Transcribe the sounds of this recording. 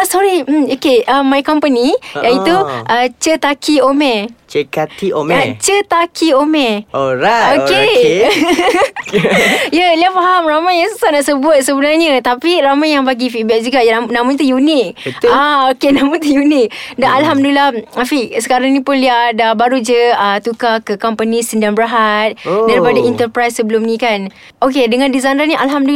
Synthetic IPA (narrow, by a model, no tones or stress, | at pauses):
asɔɾiokeʔəmajkɔmpənijait̪uʔət͡ʃət̪akʰiomɛ̃t͡ʃekat̪iomat͡ʃət̪akʰiomɛ̃oɾaoke | jaliafaɦamramajaŋsusanaʔsəbuət̪̚səbənarɲãt̪apiɾamajaŋbaɡifibɛk̚d͡ʒuɡanãmaɲat̪ujunik̪̚aokenãmat̪ujunɪk̚danalɦamdulilaafiʔsə̥kaɾaŋnĩpʊnliadabaɾud͡ʒəət̪ukakəkɔmpənĩsəndaŋbəɾaɦat̪̚daɾipadaint̪ərpɾajsːəbəlʊmnĩkan | ok̬edəŋãndizajnɾanĩʔalɦamdu